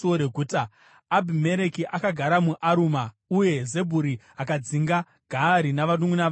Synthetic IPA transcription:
oɾeɡʱuːtaː | bʱime̞ɾe̞kiʔakaɡʱaɾamuʔaɾuma | uje̞ze̞bʱuɾi | akad͡ziŋɡa | ɡʱaɾinaʋaɗuminaʋ

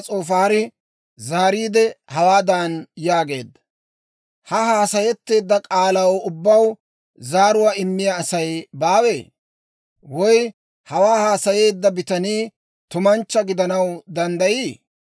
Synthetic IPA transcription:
t͡sʼoːfaːɾɪ | zaːɾiːd̪ɛhɐwaːd̪aːnjaːɡe̞ːd̪ːɐ̥ | hɐɦaːsɐjɛt̪ːe̞ːd̪ːɐkʼaːlɐwʊbːɐw | zaːɾʊwaɪmːɪjɐːsɐjbaːwe̞ː | wɔj | hɐwaːhaːsɐje̞ːd̪ːɐbɪt̪ɐniː | t̪ʊmɐnt͡ʃːɐɡɪd̪ɐnɐwd̪ɐnd̪ɐjiː

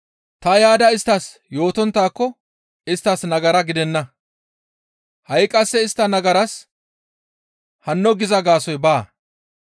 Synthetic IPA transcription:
t̪ɐjaːd̪ɐɪst̪ːɐs | jo̞ːt̪ɔnt̪ːaːkːɔ | ɪst̪ːɐsnɐɡɐɾɐɡɪd̪ɛnːɐ | hɐjkʼːɐsːɛɪst̪ːɐnɐɡɐɾɐs | hɐnːɔɡɪzɐɡaːsɔjbaː

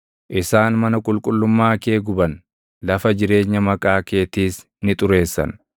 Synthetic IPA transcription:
ʔɪsaːnmɐnɐkʼʊlkʼʊlːʊmːaːke̞ːɡʊbɐn | lɐfɐd͡ʒɪɾe̞ːɲːɐmɐkʼaːke̞ːt̪iːs | nɪt̪ʼʊɾe̞ːsːɐ̰n

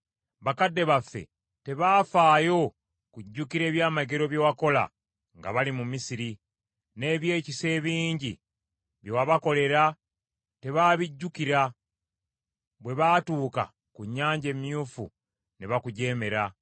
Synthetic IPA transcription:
βakadːe̞βafːe̞̰ | te̞βaːfaːjo̞ | kuɟːukiɾe̞ːβjaːmaɡe̞ɾo̞βjowako̞la̰ | ŋɡa̰βalimumisiɾi | ne̞ːβje̞ːcise̞ːβiːɲɟi | βjowaβako̞le̞ɾa | te̞βaːβiɟːukiɾa | βwe̞βaːtuːka̰ | kuɲːaːɲɟe̞mjuːfṵ | neβakuɟe̞ːme̞ɾa

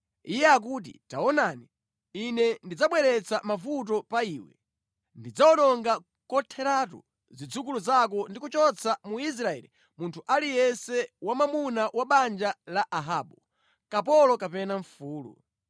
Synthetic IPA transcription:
ijɛak̬uːt̬ḭtaɔnani | inɛndid͡zaɓwɛɾɛt͡samafut̬ɔpaiːwɛ̰ | ndid͡zaɔɗɔŋɡa | kɔtʰɛɾatṵ | zid͡zuk̬uluzak̬ɔndik̬ut͡ʃɔt͡sʰamuis̬ɾaɛ̰li | muntʰuʔalijɛnsɛwamamunawaɓand͡ʒalaʔaɦaːɓu | kapɔlɔkapɛnaɱfuːlṵ

